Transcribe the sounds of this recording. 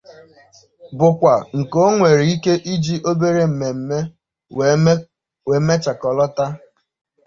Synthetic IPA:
bʊ˨kʷa˨ŋ̩˨ko˦ŋʷe˨ɾi˨i˦ke˦ʔi˦d͡ʒi˦ʔo˦be˦ɾe˦m̩˨me˨m̩˨me˦ | we˨˦me˦t͡ʃa˨kɔ˨lɔ˦ta˦

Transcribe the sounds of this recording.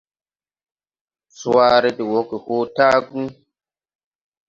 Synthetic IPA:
swa˦ɾe˦di˨wo˨˦ki˨hoː˦taː˦ɡũ˦

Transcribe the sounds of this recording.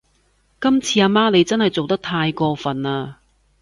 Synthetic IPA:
kɐ˥mt͡sʰiː˧aː˧maː˥ne˨˧jt͡sɐ˥nhɐ˨˩jt͡so˨wt̪ɐ˥k̚t̪ʰaː˧jkɔː˧fɐ˨˩naː˧

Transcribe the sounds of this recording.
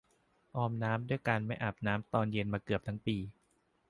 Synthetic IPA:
ʔɔː˧mnaː˦˥mdu˥˩əjkaː˧nma˥˩jʔa˨˩p̚naː˦˥mt̪ɔː˧nje˧nmaː˧kɯ˨˩p̚t̪ʰa˦˥ŋpiː˧

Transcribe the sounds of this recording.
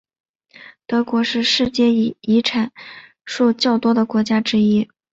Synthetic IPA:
t̪ɤ˧˥kwɔ˧˥ʂɻ̩˥˧ʂɻ̩˥˧t͡ɕjɛ˥˩˧i˧˥ʈ͡ʂʰa˨˩˦n | ʂu˥˧t͡ɕjɑ˥˩ʊt̪wɔ˥d̪ə˨kwɔ˧˥t͡ɕja˥ʈ͡ʂɻ̩˥i˥

